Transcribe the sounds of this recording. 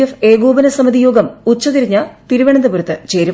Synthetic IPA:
jɐfeːɡoːbɐnɐsɐmɐd̪ijoːɡɐmut͡ɕːɐt̪iɾiɲːɐt̪iɾuʋeɳɐnd̪ɐpuɾɐt̪ːɨt͡ɕeːɾu

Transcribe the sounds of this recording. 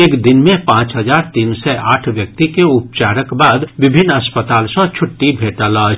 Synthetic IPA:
eːkd̪ɪnmẽpãːt͡ʃɦɐd͡ʒaːɾt̪iːnsɛʔa̰ːʈʰʋjək̚t̪ikeʊp̚t͡ʃaːɾəkbaːd̪ʋɪbʱɪnːɐspət̪aːlsɔ̃t͡ʃʰʊʈːibʱeːʈalaːd͡ʒ

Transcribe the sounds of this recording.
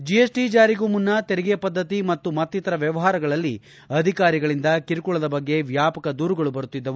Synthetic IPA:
d͡ʒijesʈid͡ʒaːɾiɡuːmunːɐt̪eɾɛɡejɐpɐd̪ːɐt̪imɐt̪ːumɐt̪ːit̪ɐɾɐʋjɐʋɐɦaːɾɐɡɐɭɐlːi | ɐd̪ʱikaːɾiɡɐɭind̪ɐkiɾukuɭɐd̪ɐbɐɡːe̞ʋjaːpɐkɐd̪uːɾuɡɐɭubɐɾut̪ːid̪ːɐʋu

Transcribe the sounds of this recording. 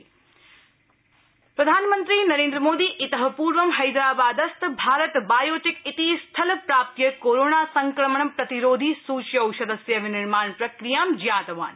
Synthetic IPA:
pɾɐd̪ʱaːnmənt̪ɾiːnɐɾẽːnd̪ɾəmoːd̪iːʔɪt̪əɦəpuːɾʋəmɦɐjd̪ɾaːbaːd̪ɐst̪bʱaːɾət̪baːjoːt̪ɪkit̪ist̪ʰɐlpɾaːp̚t̪jəkoːɾoːnaːsɐŋkɾɐməɳ̃ɐmpɾɐt̪iɾoːd̪ʱisuːt͡ʃjɐwʃɐd̪əsjəʋɪnɪɾmaːɳpɾɐkɾijaːmd͡ʒjaːt̪ʋa̰ːn

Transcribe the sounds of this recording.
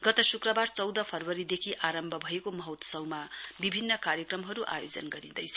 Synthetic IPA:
ɡʌt̪ʌsukrʌbart͡sʌwd̪ʌpʰʌrwʌɾid̪ekʰiʔaɾʌmbʱʌbʱʌekomʌɦʌt̪sʌwmabibʱinːʌkaɾjʌkrʌmɦʌɾuʔa̰jod͡zʌ̰nɡʌɾid̪ʌ̰jt͡sʰʌ

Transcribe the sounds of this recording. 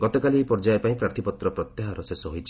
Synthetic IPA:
ɡɔt̪ɔkalipɔɾd͡ʒaepãĩpɾaɾt̪ʰipɔt̪ɾɔpɾɔt̪jaɦaɾɔsesɔɦojt͡ʃʰi̥

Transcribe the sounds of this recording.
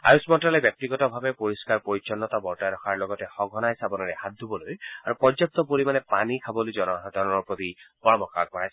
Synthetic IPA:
a̰jusmɔntalɛbjɔk̚t̪iɡɔtɔbʱabɛpoɹiskaɹpoɹit͡ʃɔnːɔtabɔɹtajɾɔxʰaɹlɔɡɔtɛxɔɡʱɔnajsabɔnɔɹɛhat̚dubɔlojaɹupɔzɔk̚tɔpoɹimanɛpanikʰabɔlojzɔnɔɦɔd̪ʱaɹɔnɔɹpɹot̪ibɔɹɔmɔkʰa̰k̚pɔɹajs

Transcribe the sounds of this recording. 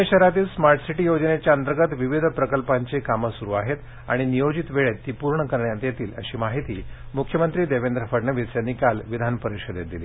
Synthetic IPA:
eɕəɾat̪iːlsmaɾʈsiʈiːjod͡zənet͡ɕjaənt̪əɾɡət̪ʋiʋid̪ʱpɾəkəlpaɲt͡sekaməsuɾuːaɦet̪ | a̰ɽ̃inijod͡ʑit̪ʋeɭet̪ːiːpuɾɳəkəɾɳjat̪jet̪iːlə̰ɕiːmaɦit̪iːmukʰjəmənt̪ɾiːd̪eʋend̪ɾəfəɽnɳəʋisjanːikalʋid̪ʱanpəɾikɕəd̪ʱḛt̪d̪iliː

